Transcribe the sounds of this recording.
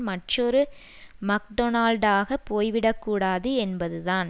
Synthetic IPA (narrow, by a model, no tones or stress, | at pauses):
mɐʈːrɔɾɯ | mɐk̚ɖɔnaːlɖaːɣɐpːoːjʋɪɽɐkːuːɽaːðɯɛnbɐðɯðaːn